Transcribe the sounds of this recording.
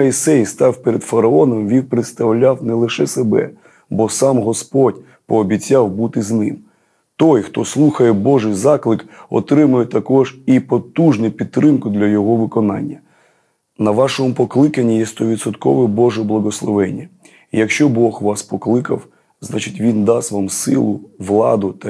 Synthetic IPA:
ɐisɛjst̪ɑwpeɾed̪fɐɾɐɔnɔmʋʲiwpɾɪt̪st̪ɐwlʲawnɛlˠɪʃɛsebɛ̰ | bɔsɑmɦɔspɔdʲ | pɔːbʲit͡sʲːawbut̪ɪznɪm | t̪ɔjxt̪ɔslˠuxɐjɛbɔʒɪjzɑklˠɪkɔ̰t̪ɾɪmʊjɛt̪ɐkɔʒipɔt̪uʒnʊpʲid̪t̪̚ːɾɪmkʊd̪lʲɐjɔɦɔʋɪkɔnɑ̰nʲːɐ | nɐʋɑʃɔmʊpɔklˠɪkɐnʲːijɛst̪ɔʋʲidt̪sɔt̪kɔʋɛbɔʒɛblˠɐɦɔslˠɔʋɛnʲːɐ | ijɐkʃt͡ʃɔbɔxʋɑspɔklˠɪkɐ̰w | znɑt͡ʃɪtʲʋʲind̪ɑsʋɑmsɪ̰lˠʊʋlˠɑ̰d̪ʊt̪ɐ

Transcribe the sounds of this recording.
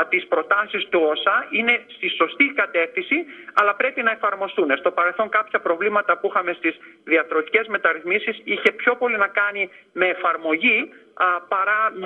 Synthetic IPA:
t̪ispɾo̞t̪ɐsist̪uosɐine̞st̪iso̞st̪ikɐt̪e̞fθisiɐ̰lɐpɾe̞pinɐe̞fɐɾmo̞st̪unest̪o̞pɐɾe̞lθo̞ŋkɐpçɐpɾo̞vlimɐt̪ɐpuixɐme̞st̪izðiɐθɾo̞t̪ice̞zme̞t̪ɐɾiθmisisiçe̞pço̞po̞linɐkɐnime̞ːfɐɾmo̞ʝi | pɐɾɐ

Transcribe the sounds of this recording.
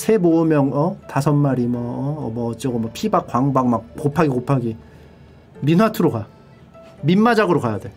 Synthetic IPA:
sʰe̞moɯmjʌŋʌtasʰʌnːaɾimwʌmʌt͡ɕʌɡɯmʌpʰibak͈waŋbaŋmak̚kopʰaɡikopʰaɡi | minwatʰɯɾoka | mimːad͡ʑaɡɯɾokajade̞

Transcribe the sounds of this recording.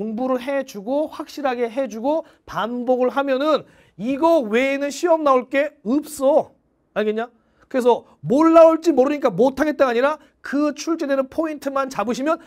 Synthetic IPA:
oŋbuɾɯɭɦe̞d͡ʑuɡoɸwak̚ɕ͈iɾɦaɡe̞ɦe̞d͡ʑuɡo | panboɡɯɭɦamjʌnɯn | iɡʌwe̞nɯnɕʰiʌmnaoɭk͈e̞ɯp̚s͈ʌ | aɡeɲa | kɯɾe̞s̬ʰʌ | moɭːaoɭt͡ɕ͈imoɾɯɲik͈amotʰaɡe̞t̚t͈anaɲiɾa | kɯt͡ɕʰuɭt͡ɕ͈edɯɾɯnpʰointʰɯmant͡ɕabɯɕʰimjʌn

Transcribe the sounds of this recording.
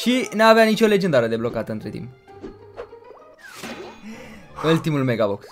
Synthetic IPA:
ʃinaːveanit͡ʃo̞le̞d͡ʒed̪aɾəd̪e̞blokat̪əɨnt̪ɾet̪ḭmp | ult̪imulmeɡaboks

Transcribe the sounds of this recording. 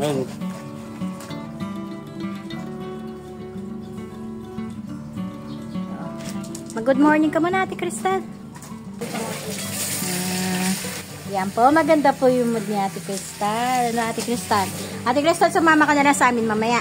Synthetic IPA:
omɐɡʊd̪̚moɹnɪŋkɐmonɐʔaːt̪ɪkɾɪst̪ɐn | a | a | jɐnpomɐɡɐnd̪apujʊŋmʊd̪̚nɪʔaːt̪ɪkɾɪst̪anɐnoʔaːt̪ɪkɾɪst̪anʔaːt̪ɪkɾɪst̪ansɐmaːmɐkɐnɐlasɐʔaːmɪnmɐmɐja

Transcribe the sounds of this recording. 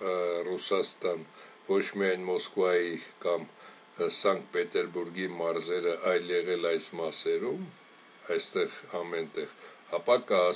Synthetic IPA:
rusɑst̪ɑn | vɔt͡ʃʰmiɑjnmɔskvɑjikɑm | sɑŋkpɛt̪ɛɾbuɾɡimɑɾzɛɾəʔɑjljɛʁɛlɑjsmɑsɛɾum | ɑjst̪ɛʁɑmɛnt̪ɛʁɑpɑkəː

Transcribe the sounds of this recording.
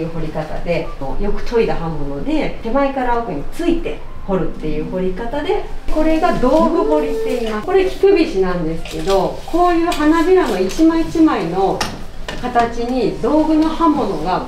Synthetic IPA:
ɯ̟ɦo̞ɾʲikat̪a̰d̪e̞o̰jo̞kɯ̟̥t̪ʰo̞id̪aɦãmːo̞no̞d̪e̞t̪e̞maikaɾaokɯ̟ɲ̟it͡sɨit̪e̞ | ho̞ɾɯ̟t̪ːe̞jɯ̟ːho̞ɾʲikat̪ad̪e̞ko̞ɾe̞ɡad̪o̞ːɡɯ̟ho̞ɾʲit̪ːe̞imako̞ɾe̞kʲi̥kɯ̟bʲiɕinãnd̪e̞sɨ̥ke̞d̪o̞ko̞ːjɯ̟ːɦanabʲiɾanoit͡ɕimãit͡ɕimaino̞ | kat̪at͡ɕiɲ̟id̪o̞ːɡɯ̟no̞hãmːo̞no̞ɡa

